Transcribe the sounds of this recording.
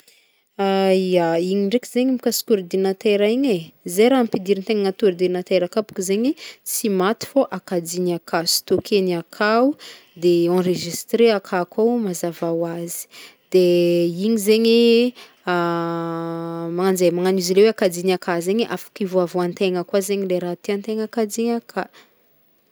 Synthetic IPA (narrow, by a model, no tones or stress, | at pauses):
aiaiɲiɳɖ͡ʐekʲizeɲimikasi̥kʲuɾd̪inat̪eɾaiɲezejɾaampid̪iɾint̪eŋaŋat̪uɾd̪inat̪eɾakapu̥kizeɲisimat̪i̥foʔakad͡ziniakʰasi̥t̪okʰeniakʰau | d̪eɑ̃reʒist̪ɾeakʰakawmazavawazi̥d̪̥eiɲizeɲi | a | maŋand͡zemaŋanuzileweakad͡zinakazeɲʔafḁkivoavoant̪eŋəkwazeɲileɾat̪iant̪eŋakad͡ziɲakʰa